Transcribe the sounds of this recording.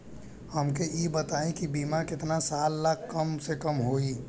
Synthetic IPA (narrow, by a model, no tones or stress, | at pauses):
həmkejebət̪aːẽkibiːmakɪt̪nasaːlːakʰkəmsekəmɦoi